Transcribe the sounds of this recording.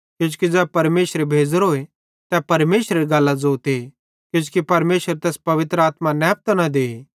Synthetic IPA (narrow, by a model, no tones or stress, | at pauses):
kjʊ̃t͡ʃu̥kid͡zɛːpɐɾmeːsɾebʱeːd͡zəɾɦoːe | t̪ɛpɐɾmeːsɾeɾiɡɐlːazoːt̪e | kjũːd͡ʒukipɐɾmeːʃəɾt̪ɛːspɐʋɪt̪ɾəaːt̪manɛːp̚t̪nad̪eːe